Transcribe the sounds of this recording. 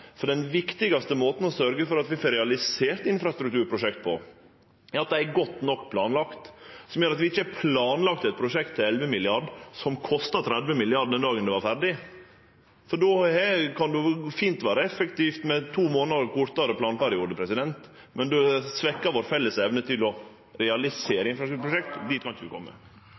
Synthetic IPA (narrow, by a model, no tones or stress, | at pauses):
fɔɖɛnʋɪkt̪ɪɡɑst̪əmoːt̪n̩ɔsœɾɡəfɔɾɑt̪ʋɪfɔɾɛɑlɪseːɾt̪ɪnfɾɑst̪ɾʉk̚t̪ʉːɾpʰɾʊʂɛkt̪̚pʰɔ̰ | ɑt̪̚d̪ææɡɔt̪ːnɔkːpʰlɑːnlɑkt̪sɔmjøːɾɑt̪ʋɪɪçːəpʰlɑːnlɑkt̪ɛt̪̚pʰɾʊʂɛkt̪ʰːɪlɛlʋəmɪlɪɑɖsɔmkʰɔst̪ɑt̪ʰɾæd̪ʋəmɪlɪɑɖd̪ɛnd̪ɑːɡənd̪ʉʋɑɾfæɾɖɪ | fɔɖoɛkʰɑnd̪ʉfiːnt̪ʋæːɾəɛfːɛkt̪iːft̪mɛt̪ʰuːmoːnɑɾkʊɾt̪ɑɾəplɑːnpæɾɪuːd̪əpʰɾɛsɪd̪ɛnt̪ | mʔɛnd̪ʉsʋɛkːɑʋoːɾfɛlːəsɛʋnət̪ʰɪlɔ | ɾɛɑlɪseːɾɪnfɾɑst̪t̪ɾʉːpʰɾʊʂɛk̚t̪d̪iːt̪̚kʰɑnɪçəd̪ʉkʰɔ̰mːə̰